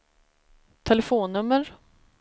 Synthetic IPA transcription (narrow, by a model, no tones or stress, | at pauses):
t̪ʰɛlɛfoːnːɵmːəɾ